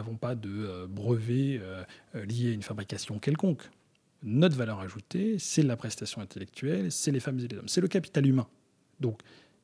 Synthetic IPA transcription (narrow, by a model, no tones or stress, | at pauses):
avɔ̃pad̪əøbʁəveøljeaynfabʁikasjɔ̃kʲɛlkɔ̃k | nɔt̪χvalœʁaʒut̪esɛlapχɛst̪asjɔ̃ɛ̃t̪elɛk̚t̪ɥɛlsɛlefamzelezɔ̰msɛləkapi̥t̪alymɛ̃ | d̪ɔ̃k